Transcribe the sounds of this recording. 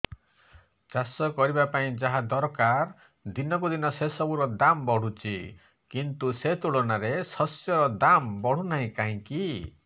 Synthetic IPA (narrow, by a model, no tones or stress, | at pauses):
t͡ʃasɔkɔɾibapaĩd͡ʒaɦad̪ɔɾkaɾ | d̪inɔkud̪inɔsesɔbuɾɔd̪ambɔɽ̤ut͡ʃʰḭ | kint̪uset̪uɭonaɾesɔsjɔɾɔd̪ambɔɽ̤unaɦĩkaɦĩki